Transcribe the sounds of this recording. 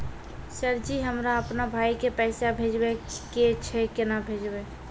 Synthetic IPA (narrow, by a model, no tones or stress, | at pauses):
səɾd͡ʒiɦəmɾaəpnabʱaikepɛsabʱed͡ʒbeket͡ʃʰɛkenabʱed͡ʒbe